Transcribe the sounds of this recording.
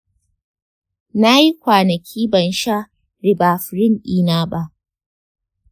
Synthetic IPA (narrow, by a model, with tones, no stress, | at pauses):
na˦ji˦kʷaː˨nɐ˨kʲʰiː˦bɐ˨nʃa˦ | ɾɪ˨baː˨ɸɪ˨ɾɪ˦˨ŋʔiː˦naː˦ba˦ʔ